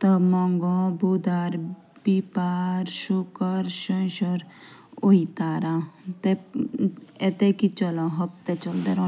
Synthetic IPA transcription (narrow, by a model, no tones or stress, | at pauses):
t̪əmɔŋɡɔ̃bud̪aɾ | bipaɾʃukəɾʃəjʃɔɾ | ojt̪aɾãt̪e | et̪ekit͡ʃɔlɔ̃ɦɔp̚t̪et͡ʃɔld̪eɾɔ̃